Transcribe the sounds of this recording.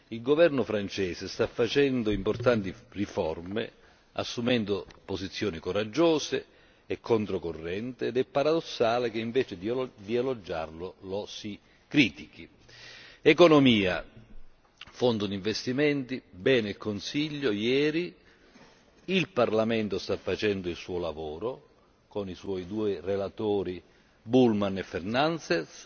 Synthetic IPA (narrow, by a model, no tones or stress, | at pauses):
ilɡovɛrnʊfɾant͡ʃɛːsɪst̪afːat͡ʃɛnd̪ʊimpɔrt̪ant̪irifɔ̰rmḛ | a̰sːumɛnd̪ʊposit̪sːjɔːnikoɾad͡ʒːɔːseː | kʰːont̪ɾokorːɛnt̪ɪːd̪ɛpːaɾad̪osːaːlɪkeiɱvɛːt͡ʃɪd̪d̪ialod͡ʒːa̰rlʊlɔsi | kɾiːt̪ik̟i | ɛkonomiːa̰ | fond̪ʊd̪iɱvest̪imɛnt̪ibɛːneilkonsiʎːojɛːɾi | ilparlamɛnt̪ost̪afːat͡ʃɛnd̪ʊilsuːolavoːɾo | koniswɔːjd̪uːɪrelat̪oːɾi | bulmanɛfːɛrnansɛs